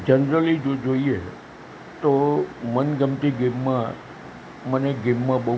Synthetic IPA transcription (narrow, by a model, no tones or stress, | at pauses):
d͡ʒənɾəlid͡ʒod͡ʒoie | t̪omənɡəmt̪iɡemːã | məneɡemːãbə